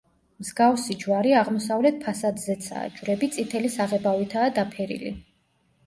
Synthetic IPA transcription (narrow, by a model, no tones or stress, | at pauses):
mzɡafsid͡ʒwaɾiaʁmɔsavlɛt̪̚pʰasad̪zɛt̪sʰa̰ːd͡ʒvɾɛbit̪sʼit̪ʰɛlisaʁɛbavit̪ʰaːd̪apʰɛɾḭlḭ